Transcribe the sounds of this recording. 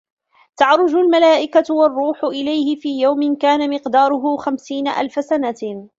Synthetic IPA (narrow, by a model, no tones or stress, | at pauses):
t̪ɑʕɾˤʊd͡ʒʊlmalaːʔɪkawɑrˤːuːħʊʔɪlajhɪfiːjawmɪnkaːnamɪqd̪ɑːɾˤʊɦʊxamsiːnaʔa̰lfasana